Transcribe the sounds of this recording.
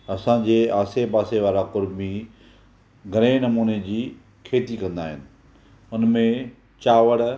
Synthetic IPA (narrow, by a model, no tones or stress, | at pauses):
ɐsãd͡ʑeːaːsepaːseʋaːɾakʊɾmi | ɡʱɐɾẽnɐmuːned͡ʑiː | kʰeːt̪ikɐ̃nd̪a̰ːɦɪnɪ̆ | ʊnmẽ | t͡ɕaːʋəɽ